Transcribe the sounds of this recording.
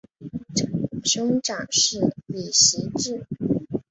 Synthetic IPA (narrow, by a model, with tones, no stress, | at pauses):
ʈ͡ʂʂɤ˥ŋʈ͡ʂɑ˨˩ŋʂɻ̩˥˩li˨˩ɕi˧˥ʈ͡ʂɻ̩˥˩